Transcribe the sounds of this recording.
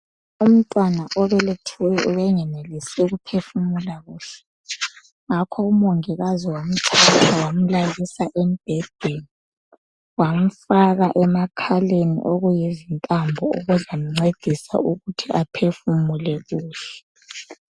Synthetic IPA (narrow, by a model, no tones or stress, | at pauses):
um̩tʼwanaʔɔβɛletʰuwɛuβɛŋɛnelisɛɣupʰefumulaɣuːɬɛ̥ | ŋakʰɔumoŋɛɣaziwom̩tʰatʰawam̩lalisaʔɛm̩b̥ʱɛd̥ʱweni | wam̩faɣaʔɛmakʰalenḭʔoɣujizintʼambʱɔuɣuzam̩ŋ͡ǀed̥ʱisa̰uɣutʰiʔapʰefumulɛɣuːɬɛ̥